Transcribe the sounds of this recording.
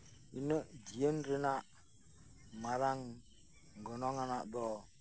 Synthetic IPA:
inəd͡ʒijənɾinaʔ | maɾaŋ | ŋɡɔnɔŋanabɔ

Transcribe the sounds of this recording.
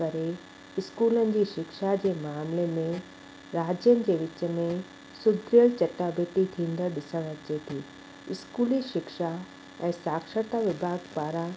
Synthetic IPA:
ɐɾe | ɪskuːlənɪ̆d͡ʑiːʃɪkʃad͡ʑeːmaːmlemẽ | ɾaːd͡ʑjənɪ̆d͡ʑeːʋɪt͡ɕə̆mẽ | sʊd̪ʱɾijəɭt͡ɕɐʈaːbət̪it̪ʰĩːn̆d̪əɾɗɪsə̃ɽ̃ət͡ɕeːt̪ʰiː | ɪskuːliʃɪkʃa | ɛ̃ːsaːkʃəɾt̪aʋɪbʱaːɡpaːɾã

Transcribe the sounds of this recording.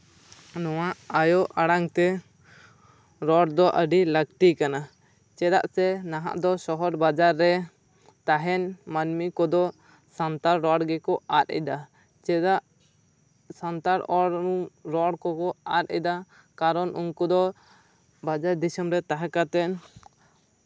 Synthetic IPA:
nɔwaʔajoʔaɽaŋt̪ɛ | ɾɔɽd̪ɔʔəɖiləkʈikana | t͡ʃɛd̪a̰ʔsɛnaɦa̰ʔd̪ɔsɔɦɔɾbad͡ʒaɾːɛ | t̪aɦɛnmanmikɔd̪ɔ | sant̪aɾːɔɽɡɛkɔat̪ɛ̰d̪a | t͡ʃɛd̪aʔ | sant̪aɾɔɽɾɔɽkɔkɔaɾɛ̰d̪a | kaɾɔnʔunkud̪ɔ | bad͡ʒaɾd̪isəmɾɛt̪aɦakat̪ɛʔ

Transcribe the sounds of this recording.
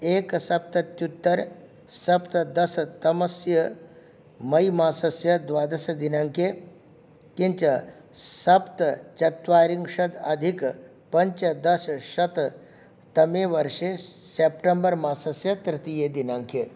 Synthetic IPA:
eːksɐp̚t̪ɐt̪jut̪ːɐɾ | sɐpt̪ɐd̪ɐst̪ɐmɐsjɐ | mɐjmaːsɐsjɐd̪ʋaːd̪ɐsɐd̪inaːŋke | kiɲt͡ʃɐ | sɐpt̪t͡ʃɐt̪ʋaːɾiŋɡʃɐd̪ɐd̪ʱik | pɐɲt͡ʃɐd̪ɐsʃɐt̪ | t̪ɐmeːʋɐɾʃeseːpʈembɐɾmaːsɐsjɐt̪ɾɪt̪ijed̪inaːŋkʰe

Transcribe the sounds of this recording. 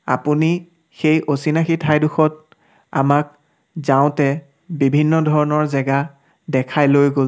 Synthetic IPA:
a̰puni | xejʔosinaxitʰajduxɔt̚ | a̰mak̚ | zaʊ̃tɛ | bibʱinːɔdʱɔɹɔnɔɹzɛɡa | dɛkʰajlojɡol

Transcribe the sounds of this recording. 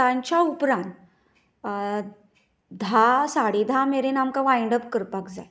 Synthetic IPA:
ãɲt͡ɕjaupɾãnt̪ | d̪ʱasaɽed̪ʱameɾenamkaʋajɳɖəpkəɾpakd͡za̰j

